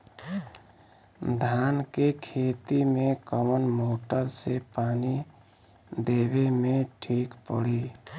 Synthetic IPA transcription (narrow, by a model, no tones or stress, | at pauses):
d̪ʱaːnkekʰeːt̪imẽkəmənmoːʈəɾsepaːni | d̪eːbemẽʈʰiːkpə̰ɽi